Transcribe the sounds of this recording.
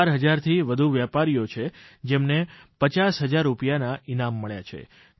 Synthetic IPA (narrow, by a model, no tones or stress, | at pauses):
ɾɦəd͡ʒaɾt̪ʰiʋəd̪ʱuʋjapaɾijot͡ʃʰed͡ʒemnepət͡ʃasɦəd͡ʒaɾːupjanainamːəɭja̰t͡ʃʰḛ